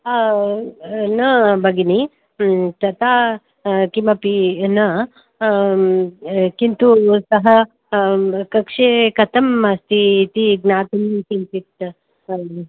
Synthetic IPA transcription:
nɐbʱɐɡini | t̪ɐt̪aː | kimɐpinɐ | kint̪usɐɦɐ | kɐkʂekɐt̪ɐmɐst̪it̪iɡnaːt̪ɐnikint̪it̪

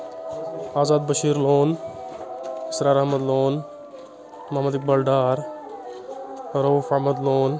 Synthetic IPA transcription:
aːzaːd̪̚bɐʃiːɾloːn | ɪ̥sɾaːɾɐhmɐd̪loːn | mɐɦmɐd̪ik̚bɐlɖaːɾ | ɾɐufɐɦmɐd̪loːn

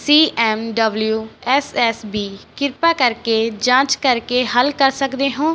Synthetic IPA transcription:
siːʔɛːmɖəbljuːɛːsɛːsbiːkɪɾpaːkəɾkeːd͡ʒãːt͡ʃkəɾkeːɦəlkəɾsəkd̪eːɦõː

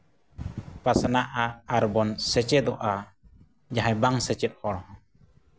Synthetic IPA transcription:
pasanaʔaaɾbɔnsɛt͡ʃɛd̪ɔʔa | d͡ʒaɦajbaŋsɛt͡ʃɛt̪̚hɔɽɔhɔ̃

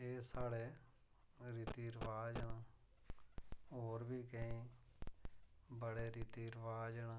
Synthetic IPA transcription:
eːsaːɽeː | ɾit̪iːɾʋaːd͡ʒɳa | ɦoːɾbʱiːkəĩː | bəɽeːɾit̪iːɾʋaːd͡ʒəɳaː

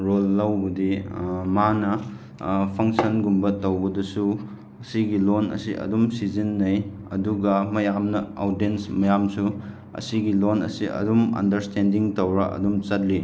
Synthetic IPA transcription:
ɾolːɐwbɐdimanɐ | pʰɐŋsɐnɡumbɐtɐwbɐdɐsu | ɐsiɡilonɐ̰siʔɐ̰dumsizinːɐj | ɐ̰duɡɐmɐjamnɐowdensmɐjamsu | ɐ̰siɡilonɐ̰siɐ̰dumɐ̰ndɐɾstʰendiŋtɐwɾɐʔɐ̰dumt͡ʃɐt̚li

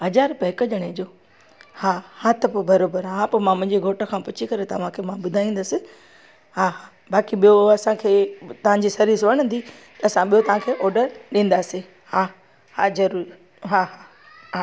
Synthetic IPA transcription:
ɦɐzaːɾpɐɦɪkəd͡ʑɐɽ̃ed͡ʑoː | haːhat̪ʰɪpobɐɾoːbəɾɦãpomãmʊ̃ɦɪ̃ɲd͡ʑeɡʱoːʈə̆kʰãːpʊt͡ɕʰikɐɾet̪ɐʋ̤ãkʰeːmãɓʊd̪ʱaːĩːnd̪əsɪ̆ | haːɦa | baːkiɓijoɐsãkʰeːt̪ɐʋ̤ãɲd͡ʑiːsɐɾiːɾsʋɐɽ̃ə̃nd̪it̪ɐɐsãɓijot̪ɐʋ̤ãkʰeːʔɔːɾɖəɾɗĩːn̆d̪aːsi | haː | haːzɐɾuːɾi | ɦaːɦa

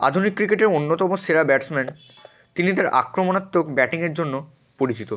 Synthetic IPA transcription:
a̰d̪ʱunikːɾikeʈeɾonːot̪ɔmoseɾabɛʈsmɛn | t̪init̪aɾa̰kɾomonat̪ːokbɛʈiŋeɾd͡ʑonːo | poɾit͡ɕit̪o

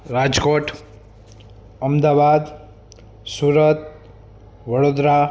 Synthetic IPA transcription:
rad͡zkoʈʰ | ʌmd̪abad̪ | suɾʌt̪̚ | bʌɽod̪ɾa

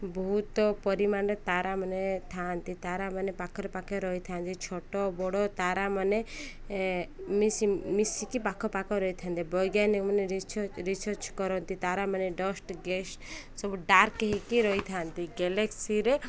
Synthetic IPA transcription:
bɔɦut̪ɔpɔɾimanɾet̪aɾamənet̪ʰant̪it̪aɾamanepakʰɔɾpakʰɔɾɔit̪ʰant̪it͡ʃʰɔʈɔbɔɽɔt̪aɾamane | mismisikipakʰɔpakʰɔɾɔjt̪ʰant̪ibɔjɡjanikməneɾit͡ʃʰɔɾisɔɾt͡ʃkɔɾɔnt̪it̪aɾamaneɖɔsʈɡeʃsɔbuɖaɾkeɦikiɾɔit̪ʰant̪iɡɛleksiɾe

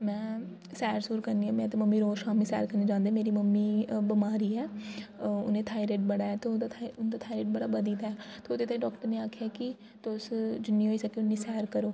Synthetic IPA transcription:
mɛ̃ː | sɛːɾsuːɾkəɾniːãːmɛ̃ːt̪eːməmːiːɾoːʃaːmiːsɛ̰ːɾkəɾneːd͡ʒãːnd̪eːmeːɾiːməmːiːbəmaːɾiːɛː | ʊ̰nẽːt̪ʰaːiɾeːʈ̚bəɽaːɛːt̪eːd̪at̪ʰːʊnːd̪aːt̪ʰaːiɾeːʈ̚bəɽaːbəd̪iːt̪aːɛːt̪eʊd̪eːt̪aːĩɖɔːkʈəɾneːaːkʰːjaːkɪ | t̪ʊsd͡ʒʊnĩːɦoːiːsəkeːʊnːĩːsɛːɾkəɾoː

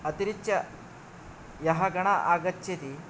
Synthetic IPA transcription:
ɐt̪iɾit͡ʃːɐ | jɐɦɐɡɐɳaʔaːɡɐt͡ʃːet̪i

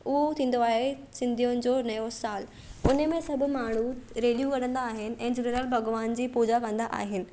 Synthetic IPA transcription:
ʊɦot̪ʰĩːn̆d̪oaːɦe | sɪ̃nd̪ʱijʊnɪ̆d͡ʑoːnɐjosaːl | ʊnəmẽsɐbʱʊ̆maːɽ̤uɾeːljukɐɽə̃nd̪aːɦɪnɪ̆ʔɛ̃ːd͡ʑeneɾəlbʱɐɡʋaːnd͡ʑiːpuːd͡ʑakɐ̃n̆d̪aʔa̰ːɦɪnɪ̆

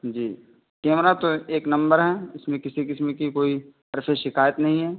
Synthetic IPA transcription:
d͡ʒiː | keːmɾat̪oeːknɐ̃mbəɾɦɛːɪsmẽkɪsikɪsmẽkikoːi | ɐɾfʰeʃɪkaːjət̪nɐɦĩɦɛː

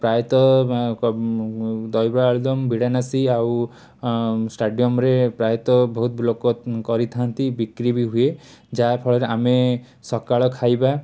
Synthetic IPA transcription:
pɾajɔt̪ɔ | d̪ɔjbaːɭd̪ɔmbʱiɽanasiaw | sʈaɖijɔmɾepɾajɔt̪ɔbɔɦut̪̚blokɔkɔɾit̪ʰant̪ibikɾibiɦued͡ʒapʰɔɭɔɾeʔame | sɔkaɭɔkʰajba

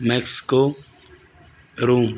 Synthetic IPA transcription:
meksi̥ko | ɾuːm

